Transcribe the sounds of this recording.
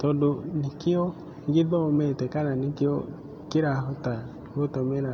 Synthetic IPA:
tɔdonikɪɔ | ŋɡiðɔmɛtɛkananikeɔ | kiɾaɦɔta | wotɔmɛɾa

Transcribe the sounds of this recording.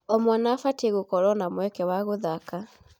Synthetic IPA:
ɔmwɔnafatiɣokɔɾɔnamwɛkɛwaɣoðaka

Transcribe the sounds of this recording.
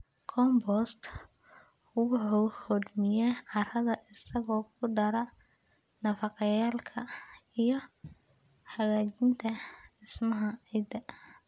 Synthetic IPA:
kʰɔmbɔst̪ | ʊɣʊɔhɔd̪mɪjɛʕɑrɐðɐʔɪsɐɣɔːkʰʊɖɐɾɐ | nɐfɑqɑjaːlkʰɐijɞ | ħɑɣaːt͡ʃɪnt̪ʰɐɪsmɐɦɐʕid̪ɐ

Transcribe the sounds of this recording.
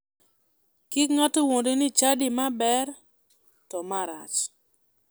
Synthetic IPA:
kikŋatowondenɪt͡ʃadɪmabɛr | tɔmaɾa̰t͡ʃ

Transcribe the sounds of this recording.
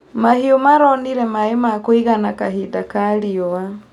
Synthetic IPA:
mahiomaɾɔniɾɛmaemakoiɣanakaɦidakaɾiɔa

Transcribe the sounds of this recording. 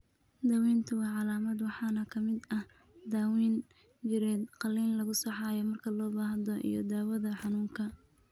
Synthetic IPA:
d̪aːwiːnt̪ʰɐwɑːʕɑlaːmɐd̪wɑħɑːnɐkʰɐmɪd̪ɐh | d̪aːwiːn | d͡ʒɪɾɛːd̪qɑlːiːnlɐɣʊsɑħɑːjɔmɐrkʰɐlɔːbaːɦɐd̪ɔʔḭjɔ̰d̪aːwɐðɐħɑnuːŋkʰɐ

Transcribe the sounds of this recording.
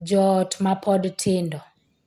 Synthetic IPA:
d͡ʒɔtmapʰɔdtʰɪndɔ

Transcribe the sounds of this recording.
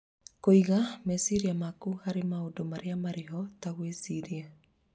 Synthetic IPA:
koiɣamɛsiɾiamakuhaɾemaodomaɾeamaɾeɦɔtaɣwesiɾia

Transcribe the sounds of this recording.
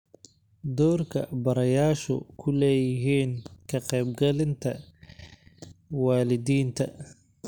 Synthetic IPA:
d̪ɔːrkʰɐ̰bɐɾɐjaːʃʊ̰kʰʊlɛːjɪɦiːnkʰɐqɛjb̚ɡɐlɪnt̪ʰɐ | waːlɪd̪iːnt̪ʰɐ

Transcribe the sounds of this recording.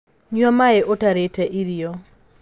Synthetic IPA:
ɲwamaɛʔotaɾetaʔiɾio

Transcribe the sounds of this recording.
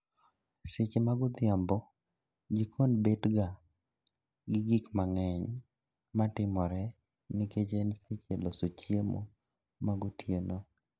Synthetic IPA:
sɪt͡ʃemaɡʊd̪ɪambɔ | ɡikʰonbedɡa | ɡɪɡikmaŋɛɲ | matɪmɔɾɛ | nɪket͡ʃensɪt͡ʃelosot͡ʃjemo̰ | maɡʊtjeno

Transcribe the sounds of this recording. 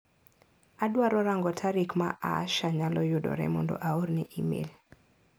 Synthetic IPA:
adwaɾɔɾaŋɡɔtʰaɾikmaʔa̰ʃaɲalɔjʊdɔ̰ɾɛ̰mɔndɔ̰ʔaoɾnɛʔimḛl

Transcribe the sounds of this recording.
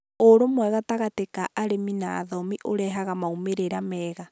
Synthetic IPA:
oɾomwɛɣataɣatekaʔaɾemina̰ːðɔmiʔoɾɛɦaɣamaumeɾeɾamɛːɣa

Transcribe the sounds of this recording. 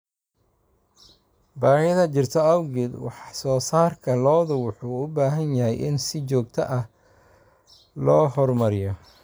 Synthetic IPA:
baːhɐðɐt͡ʃɪrt̪ʰɐɐwɡɪd̪wɑ̰ħsɔːsaːrkʰɐlɔːðʊwʊħuːʊbaːɦɐnjɐɦɛjʔɪ̰nsɪt͡ʃɔːɡt̪ʰɐʔɐh | lɔːhɔrmɐɾɪjɔ

